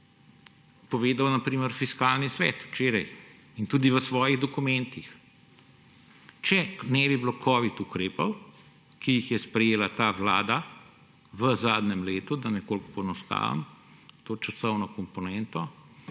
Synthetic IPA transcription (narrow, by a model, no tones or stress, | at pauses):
pɔʋeːd̪awnɐpɾiːməɾfiskaːlnisʋɛːt̪wt͡ʃeːɾɐj | int̪uːd̪iʋəsʋɔːjiɣd̪ɔkumɛnt̪ix | t͡ʃɛnɛbiblokʰɔʋit̪ukɾeːpɐw | kijixjɛspɾɛjeːlat̪aːʋla̰ːd̪a | ʋəzaːd̪nɛmleːt̪ud̪ɐnɛkoːlkopɔɛnɔst̪a̰ːʋa̰mt̪oːt͡ʃɐsɔwnɔkɔmpɔnɛnt̪ɔ